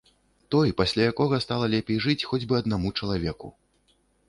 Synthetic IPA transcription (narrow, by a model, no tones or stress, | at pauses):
t̪ɔjpasʲlʲajakɔɣɐst̪alˠɐlʲɛpʲejʐɨt͡sʲxɔd͡zʲbɨɐd̪namut͡ʂɐlˠavʲɛku